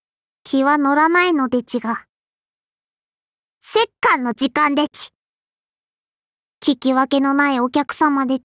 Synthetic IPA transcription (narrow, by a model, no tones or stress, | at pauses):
kʲʰiβano̞ɾanaino̞d̪e̞t͡ɕiɡa | se̞kːãnːo̞d͡ʑikãnd̪et͡ɕi̥ | kʲikʲiβake̞no̞naio̞kʲakɯ̟̥samad̪e̞̥